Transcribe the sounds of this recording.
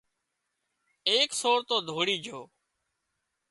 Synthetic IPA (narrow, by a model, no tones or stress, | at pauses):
eːksoːɾt̪oːd̪ʱoːɽiːd͡ʒʱoː